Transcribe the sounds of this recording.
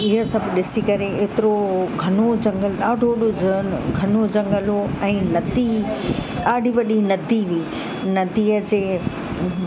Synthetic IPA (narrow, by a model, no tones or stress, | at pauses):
ɪɦəsɐbʱɗɪsikɐɾeeːt̪ɪɾoɡʱɐnod͡ʑɐ̃ŋɡəlɗaːɖʱoɗoəɡʱɐnod͡ʑɐ̃ŋɡəloɛ̃ːnɐd̪i | ɗaːɖʱiʋɐɗinɐd̪iʋiː | nɐd̪iːəd͡ʑeː